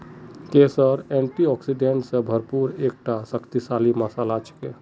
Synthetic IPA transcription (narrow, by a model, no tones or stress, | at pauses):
kesəɾeɳʈiɔksiɖeɳʈsə̃bʱəɾpuɾek̚ʈasəkʰt̪isaliməsalat͡ʃke